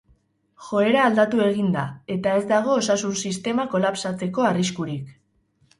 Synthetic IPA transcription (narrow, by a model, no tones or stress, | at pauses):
xo̞e̞ɾaːld̪at̪ue̞ɣind̪ae̞t̪ae̞zd̪aɣ̞o̞ːsasunsist̪e̞mako̞lapsat͡se̞ko̞ariskuɾik